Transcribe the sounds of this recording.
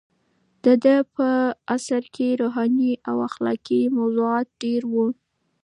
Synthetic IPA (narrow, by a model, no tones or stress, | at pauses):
d̪̥əd̪əpəasaɾkʰeɾoɦɑniʔawaxlɑ̰kimawzuɑt̪̚ɖeɾwu